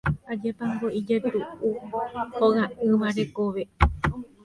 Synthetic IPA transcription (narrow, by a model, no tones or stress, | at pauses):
ad͡ʒapamɾoʔid͡ʒat̪uuhoɣaɨʋaɾekoʋe